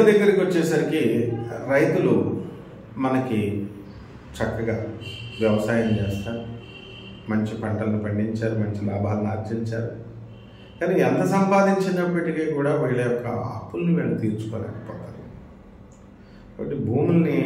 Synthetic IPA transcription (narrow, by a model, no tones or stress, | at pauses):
d̪ɐɡːɐɾɐkiot͡ʃːɛːsɐɾikiɾɐjt̪ulu | mɐnɐki | t͡ʃɐkːɐɡaːʋjɛʋɐsaːjɐmt͡ʃeːst̪aːɾu | mɐɲt͡ʃipɐɳʈɐlɐnipɐɳɖiɲt͡ʃaːɾumɐɲt͡ʃilaːbʱaːlɐnaːɾt͡ʃiɲt͡ʃaːɾu | kaːniɛnt̪ɐsɐmpaːd̪iɲt͡ʃinɐpːɐʈikiːkuːɽaːʋiːɭɐjɔkːɐa̰ːpːulniʋinɐɐt̪iːɾt͡ʃu̥kɔ̰ːnɛ̰ɐ̰kɐ̥pɔːt̪aːɾi | ɐɐʈːibʱuːmulɐni